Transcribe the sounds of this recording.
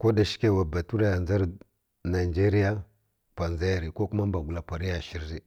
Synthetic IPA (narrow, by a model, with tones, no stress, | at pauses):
ko˦da˨ʃi̥˦ke˦˨wa˨ba˨tu˦ɾa˦ja˨nza˦ɾ | na˨d͡ʒe˦ɾi˦ja˦ | pʷa˨nza˦ja˨ɾi˨ko˦ku˦ma˦m˦ba˨ɡu˨la˨pʷa˨ɾi˦ja˨ʃi˦ɾi˦